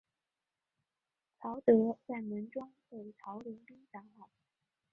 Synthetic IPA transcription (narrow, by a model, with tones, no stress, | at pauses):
t͡sʰɑ˧˥ʊt̪ɤ˧˥t͡sa˥˩ɪmə˧˥nʈ͡ʂwɑ˥ŋtwe˥˩ɪt͡sʰɑ˧˥ʊli˧˥npi˥t̪a˧˥ŋa˨˩˦